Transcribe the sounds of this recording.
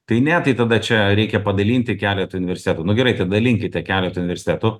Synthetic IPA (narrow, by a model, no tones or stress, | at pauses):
t̪ɐɪnʲɛt̪ɐɪt̪ɐd̪ɐt͡ʃʲɛɾʲɛɪkʲɛpɐd̪ɐlʲiːnʲt̪ʲɪkʲæːlʲɛːt̪ʊnʲɪʋʲɛɾʲsʲɪt̪ʲæːt̪ʊːnʊɡʲɛɾɐɪt̪ɐd̪ɐlʲɪŋʲkʲɪt̪ʲɛkʲæːlʲɛt̪ʊnʲɪʋʲɛɾʲsʲɪ̥t̪ʲæːt̪ʊ